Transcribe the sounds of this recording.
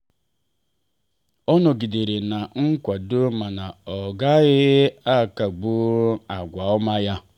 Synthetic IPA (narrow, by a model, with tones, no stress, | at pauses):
ɔ˦nɔ˨ɡi˨de˨ɾe˨na˨ŋ̩˦kʷa˨do˦ma˨na˨ɔ˨ɡa˦ɣɪ˦a˦˨ka˨ɡ͡bu˦a˨ɡʷa˨ɔ˦ma˦ja˦